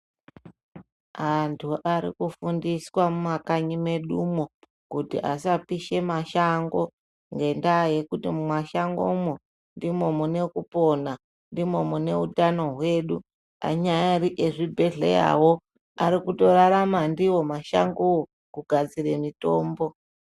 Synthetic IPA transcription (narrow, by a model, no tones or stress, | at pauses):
antʰuʔaɾḭkufundiswamumakaɲime̞ɗumo | kutḭʔasapiʃe̞maʃaŋɡo̞ | ŋɡe̞ndaːje̞kutimumwaʃaŋɡo̰mo | ndimomune̞kupo̞na | ndimo̞mune̞utano̞ɦwe̞ɗu | a̰ɲajaɾiʔeʐibʱe̞ɮḛja̰wo̞ | aɾikuto̞ɾaɾamandiwo̞maʃa̰ŋɡowo | kuɡʱad͡zire̞mito̞ːmbo̞